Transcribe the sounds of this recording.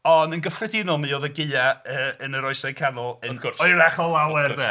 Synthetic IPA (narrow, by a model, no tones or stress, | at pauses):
ɔndənɡəfrɛdɪnɔlˠmiɔðəɡɪɨaəənəɾɔɨsakʰanɔlˠənkʊrɔɨɾaχɔlˠawɛrðɛ